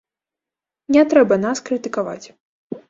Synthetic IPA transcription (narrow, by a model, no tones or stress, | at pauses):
nʲɛt̪ɾɛbɐnaskɾɨt̪ɨkava̰t͡sʲ